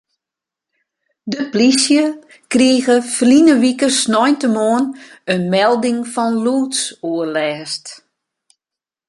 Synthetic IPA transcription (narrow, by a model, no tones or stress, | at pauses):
dəplisjə | kriːəɣəflinəʋikəsnɔjntəmoənənmɛlˠdɪŋfɔnluːtsuərlɛːst